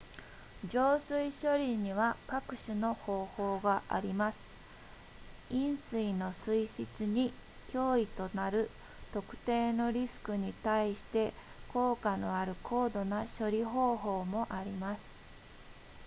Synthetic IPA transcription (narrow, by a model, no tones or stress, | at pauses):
d͡ʑo̞ːsɨiɕo̞ɾʲiɲ̟iβakakɯ̟̥ɕɨno̞ho̞ːho̞ːɡaʔa̰ɾʲimasɨ̥ | ĩɰ̃sɨino̞sɨiɕit͡sɨɲ̟i | kʲo̞ːit̪o̞naɾɯ̟ | t̪o̞kɯ̟̥t̪e̞ːno̞ɾʲisɨ̥kɯ̟ɲ̟it̪aiɕi̥t̪e̞ | kʰo̞ːkano̞aɾɯ̟kʰo̞ːd̪o̞naɕo̞ɾʲiɦo̞ːɦo̞ːmo̞ʔaɾʲimasɨ̥